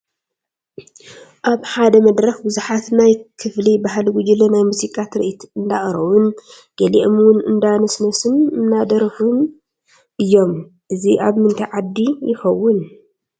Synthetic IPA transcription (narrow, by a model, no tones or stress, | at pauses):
ʔaβħad̪ɐmɐd̪ɾɐxbɨzuħat̪najkʰɨflibaɦalɡud͡ʒilonajmusikʼat̪ɾɨ̰ʔit̪ʰɨnd̪aχʼɾɐwʊn | ɡ̥ɐliʔmwʊnɨ̰nd̪anɐsnɐsɨnɨnːad̪ɐɾɐxun | ʔɨjːo̞m | ʔɨziʔaβmɨnt̪ʰajʕad̪ːijɪxɐwːʊn